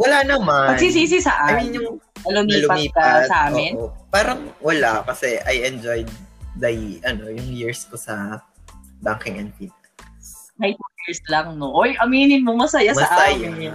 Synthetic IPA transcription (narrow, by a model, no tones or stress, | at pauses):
wɐlanɐmapɐɡnsis̬iːs̬ɪsɐ̰ʔanjʊŋɐlʊmiːlʊpɐmiːpkɐɐsɐʔaːmɪnpaːɾɐŋwɐlakɐsɛʔɐjʔɛnd͡ʒojd̪̚dɐjʔɐno̞jʊŋjiɹskosɐ | baŋkɪŋɐnt̪inɐ | nɐjt̪ujiɹslɐŋnoʔojʔɐmiːnɪnmomɐsɐjamɐɐsʔaaja